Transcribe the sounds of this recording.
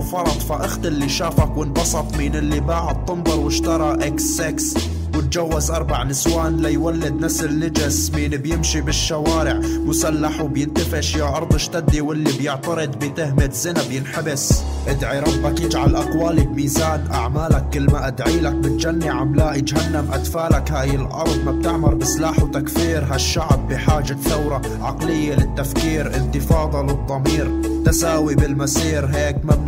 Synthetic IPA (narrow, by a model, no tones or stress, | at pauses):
fɑɾˤɑd̪ˤfaʔʊxt̪ʔɪlːiʃaːfakwɪnbɑsˤɑt̪ˤmiːnɪlːibaːʕʊd̪̚t̪ˤːʊmbɑɾˤwɪʃt̪ɑɾˤɑʔeksːeks | wɪt̪̚d͡ʒawːazʔɑɾˤbaʕnɪswaːnlajwalːɪd̪nasɪlnːɪd͡ʒɪsmiːnbjɪmʃibɪʃːawaːɾɪʕmʊsalːaħwɪbjɪnt̪ɪfɪʃjaʔɑɾˤd̪ˤɪʃt̪ad̪ːiwɪlːibjɪʕt̪ɑɾɨd̪ˤbɪt̪ɪɦmɪt̪zɪnabjɪnħabɪs | ʔɪd̪ʕiɾɑbːakiːd͡ʒʕalʔaqwaːlibmiːzaːnʔa̰ʕmaːlakːɪlːmaʔad̪ʕiːlak̚mɪt̪d͡ʒanːiʕamlaːʔɪd͡ʒɦanːamʔad̪faːlakhaːjɪlʔɑ̰ɾˤd̪ˤmab̚t̪ɪʕmɑɾˤbɪslaːħwt̪akfiːɾɦaʃːaʕbːɪħaːʒaθawɾɑ | ʕaqlɪjːelɪt̪ːafkiːɾʔɪnt̪ɪfɑːd̪ˤɑlɨd̪ˤːɑmiːɾ | t̪asaːwibɪlmasiːɾɦeːkmab